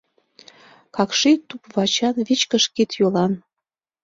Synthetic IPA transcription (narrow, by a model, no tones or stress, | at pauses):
kɑkʃit̪upβɑt͡ɕɑnβit͡ɕkəʃkit̪jolɑn